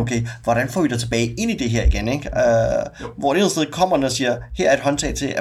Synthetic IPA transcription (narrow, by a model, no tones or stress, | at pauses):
okʰeɪʋɒɾ̥ænfɒ̰ːʋid̥ɑt͡sʰe̝b̥ɛːɪe̝n̰id̥e̝ɦeɐ̰iɡ̥eneɡ̥øʋɒd̥esd̥eð̩ˠkʰɒ̽m̰ɐnəɒsiːɐhɛæɐ̰ɐe̝d̥ɦɒ̽nt͡sʰɛ̰ːɪt͡sʰe̝æ